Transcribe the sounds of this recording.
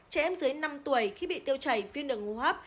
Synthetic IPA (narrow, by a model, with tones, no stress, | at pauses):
t͡ɕɛ˧ʔɛ˧mzɨ˨˦jna˧mt̪u˧˩əjxi˧ɓḭ˧˨t̪i˧əwt͡ɕə˨˩jvi˧ənɗɨ˨˩ŋu˧˩ɦəː˦˥p̚